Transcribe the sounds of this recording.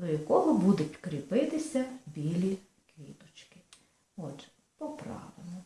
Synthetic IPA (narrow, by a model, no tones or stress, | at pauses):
d̪ɔjɐkɔɦɔbud̪ʊtʲkɾʲipɪt̪ɪsʲɐbʲilʲi | kʋʲḭt̪ɔt͡ʃkɪ̥ | ɔt̪ | pɔpɾɑ̰ʋɪ̰nɔ